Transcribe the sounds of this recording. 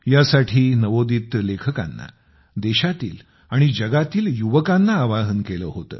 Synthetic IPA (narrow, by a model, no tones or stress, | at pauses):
jasaʈʰiːnəʋod̪iːt̪lekʰəka̰nːa̰ | d̪eɕat̪ḭːl | aɽ̃id͡ʑəɡat̪iːljuʋəkanːaːʋaɦənkelə̰ːɦot̪ə̰ː